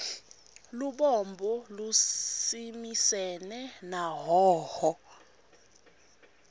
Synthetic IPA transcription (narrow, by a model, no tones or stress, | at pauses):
luɓɔmbʱɔlusimisɛnɛnaɦɔːhɔ